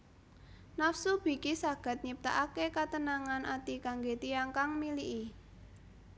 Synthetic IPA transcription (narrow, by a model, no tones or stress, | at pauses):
nafsub̥i̤kisaɡ̥a̤t̪̚ɲip̚t̪aʔakekat̪ənaŋanʔat̪ikaŋɡet̪iaŋkaŋmiliʔi